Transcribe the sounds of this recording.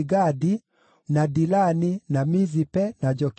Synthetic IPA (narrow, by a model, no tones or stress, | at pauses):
ɡadi | nadilaninamizipɛnad͡ʒɔk